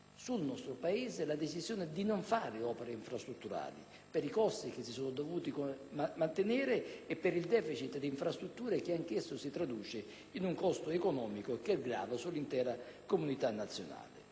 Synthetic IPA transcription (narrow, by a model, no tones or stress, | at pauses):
sulnɔst̪ɾʊpaeːzelad̪et͡ʃizjoːnɪd̪inoɱfaːɾɪɔːpeɾeiɱfɾast̪ɾut̪ːuɾa̰ːlḭ | peɾikɔst̪ik̟ɪsːisoːnʊd̪ovuːt̪ikmant̪enɛːɾeːpːɪɾild̪ɛːfit͡ʃit̪d̪iːɱfɾast̪ɾut̪ːuːɾek̟ɪaŋkɪsːʊsit̪ɾad̪uːt͡ʃɪ | inuŋkɔst̪oekonɔːmikokɛɡɾa̰ːvasulːint̪ɛːɾakomunit̪anːat̪sːjona̰ːlɪ̰